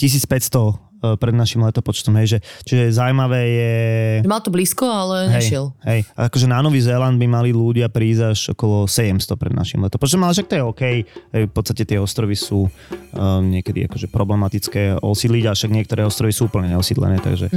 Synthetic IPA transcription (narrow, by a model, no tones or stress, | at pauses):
cis̬iːt͡spɛcst̪ɔ | pɾɛd̪naʃimlɛt̪ɔpɔt͡ʃt̪ɔmɦɛjʒɛt͡ʃiʒɛzawmaʋɛːjɛmalt̪ɔbliːskɔalɛɦɛjʃɛlɦɛja̰akɔʒɛnanɔʋizɛːland̪̚bimaliluɟɪapɾiːzaʃɔ̰kɔlɔsɛɟɛmst̪ɔpɾɛd̪naʃimlɛt̪ɔpɔt͡ʃt̪ɔmalɛʃakt̪ɔjɛɔkɛjɦɛjfpɔt̪t͡sst̪acɛt̪ɪɛɔst̪ɾɔʋisuː | ɲɪɛkɛd̪ḭa̰kɔʒɛpɾɔblɛmat̪it͡skɛːɔ̰siːd̪liɟafʃaɡɲɪɛkt̪ɔɾɛːɔst̪ɾɔʋisuːuːpl̩ɲɛɲɛɔsid̪lɛ̰nɛːt̪a̰ɡʒɛ